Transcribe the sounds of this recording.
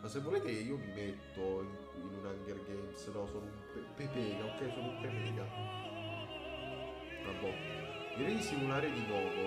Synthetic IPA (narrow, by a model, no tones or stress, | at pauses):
masːevːoleːt̪eiːomimet̪ːoiŋ | inunaŋɡerɡɛnsed̪ɔsɔnupepepɛːɡaokːɛjsonumpepɛːɡa | mabːɔjiɾed̪isimulaːɾed̪inɔːko